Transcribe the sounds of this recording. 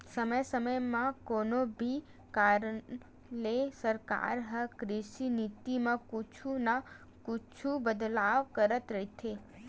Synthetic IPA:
səməjsəməjmãkoːnobʱi | kaːɾə | lesəɾka̰ːɾɦəkɾɪʃinɪt̪imãkʊt͡ʃʰuna | kʊt͡ʃʰubəd̪laːʋkəɾət̪ɾɐɦit̪ʰe

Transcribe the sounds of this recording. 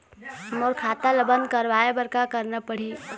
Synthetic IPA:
moɾkʰaːt̪aləbənkəɾʋaːebəɾkakəɾnapəɽ̤iː

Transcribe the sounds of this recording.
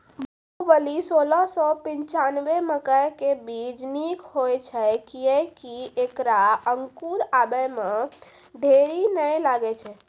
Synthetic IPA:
b | əʋəlisolɔsɔpĩɲt͡ʃanʋeməkəjkebid͡ʒnikɦojt͡ʃʰɛkiɛkiekɾaəŋkuɾabəjme | d̪ʱeɾinəjlaɡɛt͡ʃʰɛ

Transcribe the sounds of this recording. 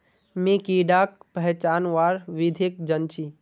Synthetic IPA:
mẽkiɖaːkpəɦt͡ʃaːnʋaːɾʋid̪ʱek̚d͡ʒənt͡ʃʰiː

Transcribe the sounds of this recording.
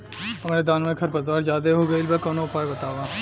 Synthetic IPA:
ɦɐmːɾed̪aːnmẽkʰɐɾpɐzʋaːɾd͡ʒaːd̪eɦoɡɐɪlbɐkɔːnoɐpʰaːjbɐt̪aːʋaː

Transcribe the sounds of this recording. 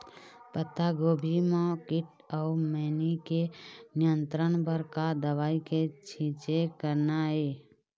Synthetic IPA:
pət̪aɡobʱimãkɪʈ | əumɛnikenɪjənt̪ɾənbəɾkad̪əʋaːiket͡ʃʰĩt͡ʃekəɾnaɦe

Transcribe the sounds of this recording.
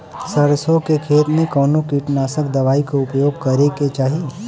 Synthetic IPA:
sɐɾsõkekʰeːt̪mẽkɔːnokiʈnaːsəkd̪ɐʋaːikoʊpjoːɡ̚kɐɾeket͡ʃaːɦie

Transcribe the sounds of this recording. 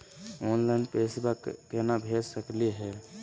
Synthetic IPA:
oːnlaɪnpesbakːenabʱed͡ʒsəkliɦɛː

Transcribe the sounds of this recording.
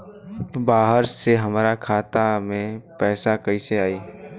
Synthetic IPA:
baːɦəɾseɦɐmɾakʰaːt̪amẽpɛːsakɐiseaːiː

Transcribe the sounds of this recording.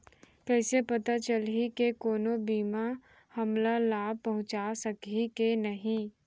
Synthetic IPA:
kɛːsepɐt̪at͡ʃəlikekoːnobiːma | hɐmlalaːb̚pɐɦʊ̃t͡ʃasɐkikenɐɦĩ

